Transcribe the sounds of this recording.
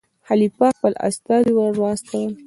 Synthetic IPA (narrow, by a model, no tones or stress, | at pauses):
halipɑxpəla̰st̪ɑd̪iwaɾwɑst̪awəl